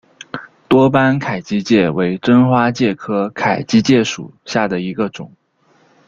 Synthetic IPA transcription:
t̪wɔ˥pa˥nkʰa˨˩ɪt͡ɕi˥t͡ɕjɛ˥˩we˧˥ɪʈ͡ʂə˥nxwa˥t͡ɕjɛ˥˩kʰɤ˥kʰa˨˩ɪt͡ɕi˥t͡ɕjɛ˥˩ʂṵ˨˩ɕja˥˩d̪ə˩i˧˥ɡə˧ʈ͡ʂʊ̰˨˩˦ŋ

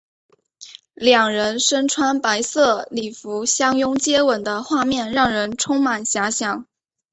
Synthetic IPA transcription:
ljɑ˨˩ŋɻə˧˥nʂə˥nʈ͡ʂʰwa˥npa˧˥ɪsɤ˥˩li˨˩fu˧˥ɕjɑ˥ŋjʊ˥ŋt͡ɕjɛ˥wə˨˩nd̪ə˦xwa˥˧mjɛ˥˧nɻɑ˥˩ŋɻə˧˥nʈ͡ʂʰʊ˥ŋma˨˩nɕja˧˥ɕjɑ˨˩˦ŋ

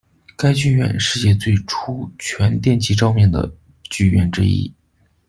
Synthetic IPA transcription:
ka˥ɪt͡ɕy˥˧ɥɛ̰˥˧nʂɻ̩˥˧t͡ɕjɛ˥˧t͡swe˥˩ɪʈ͡ʂʰu˥t͡ɕʰɥɛ˧˥nt̪jɛ˥˩nt͡ɕʰi˧˥ʈ͡ʂɑ˥˧ʊmjɛ˥˩ŋd̪ə̰˩ | t͡ɕy˥˧ɥɛ̰˥˩nʈ͡ʂɻ̩̰˥ḭ˥

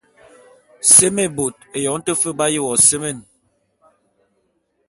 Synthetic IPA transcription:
se˦me˦˨bo˨t̚e˨jɔ˨˦n̩˦tə˦fə˦ba˦ji˦˨wɔ˨se˦me˦˨n

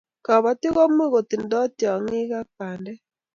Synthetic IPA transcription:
ka˨βa˨ti˦ɣɔ˦mwi˦ɣo˨ti˨ndɔ˦tja˨ŋi˦ɣa˦k̚aː˨ndɛ˦

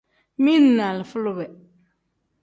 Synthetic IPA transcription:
mi˦nː˦˨a˨lɪ˨fʊ˦lʊ˦bɛ˨

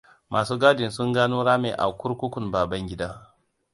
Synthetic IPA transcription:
mʔaː˨suː˦ɡaː˦dɪ˨nsʊ˦ŋɡaː˦noː˦ɽaː˦mḛː˨ʔa̰˨kʷʊ˦ɾkʷʊ˦kʷʊ˨mbaː˨bɐ˦ŋɡʲɪ˦daː˦

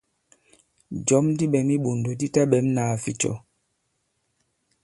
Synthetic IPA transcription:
d͡ʒɔ˨˦mdi˦ɓɛ˨mi˦ɓo˨ndo˨di˦ta˦ɓɛ˨˦mnaː˨fḭ˨t͡ʃɔ̰˨

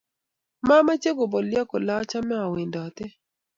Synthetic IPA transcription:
ma˦ma˦t͡ʃe˦ɡo˨bɔ˨lja˦kɔ˨la˦t͡ʃa˦mɛ˦a˨wi˨ndɔ˨t̪ɛ˦

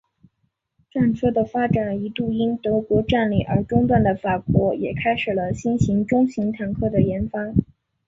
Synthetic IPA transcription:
ʈ͡ʂa˥˧nt͡sʰɤ˥˩d̪ə˩fa˥ʈ͡ʂa˨˩ni˧˥t̪u˥˩i˥nt̪ɤ˧˥kwɔ˧˥ʈ͡ʂa˥˧nli˨˥˩ʔə˞˧˥ʈ͡ʂʊ˥ŋt̪wa˥˩nd̪ə˩fa˨˩kwɔ˧˥jɛ˨˩kʰa˥ɪʂɻ̩˨˩lə˦ɕi˥nɕi˧˥ŋʈ͡ʂʊ˥ŋɕi˧˥ŋt̪ʰa˨˩ŋkʰɤ˥˩d̪ə˩jɛ˧˥nfa˥

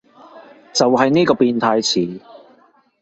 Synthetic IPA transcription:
t͡sɐ˨wɦɐ˨jniː˥kɔː˧piː˨˧nt̪ʰaː˧jt͡sʰiː˨˦

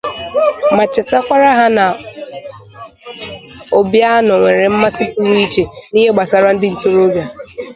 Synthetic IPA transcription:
ma˨t͡ʃɪ˨ta˦kʷa˦ɾa˦ɦa˦na˨ | o˨bja˦nʊ˨ŋʷe˨ɾɪ˨m̩˦ma˦si˦pu˦ɾi˦i˦t͡ʃe˨ni˦ɦe˦ɡ͡ba˨sa˨ɾa˦n̩˦dɪ˦n̩˨to˦ɾo˦bja˨

